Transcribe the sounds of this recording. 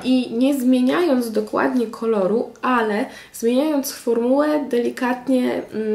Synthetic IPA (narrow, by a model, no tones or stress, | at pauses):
ʔiɲɛzmʲjeɲajɔnd̪zd̪ɔkwa̰d̪ɲɛkʰɔlɔɾuʔalɛ | zmʲjeɲajɔnt̪sfɔɾmulɛd̪ɛlʲikat̪ɲɛ